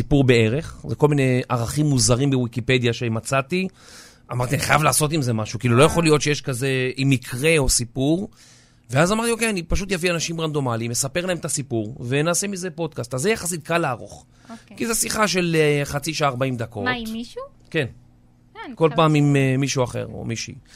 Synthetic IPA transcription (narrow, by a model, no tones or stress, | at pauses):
sipuʁbe̞e̞ʁe̞χzeko̞lmine̞aʁaχimːuzaʁimbewikipe̞d̪jaʃeamat͡sat̪i | amaʁt̪ianiχajavlaːso̞t̪̬imze̞maʃukiːlulo̞jaχo̞lijo̞t̪ʃejeʃkaze̞ʔimikʰʁe̞o̞sipuʁ | veazamaʁt̪io̞keanipaʃut̪javianaʃimʁand̪o̞malimesape̞ʁlahemetasipuʁvenaːsemize̞po̞d̪̚kast̪azːejaχasit̪̚kalaːʁo̰χ | kizesiχaʃ̬e̞lχat͡siʃaːʁbaimd̪ako̞tu | ke̞n | ko̞lpaːmimemiʃuaχe̞̰ʁo̰miʃḭ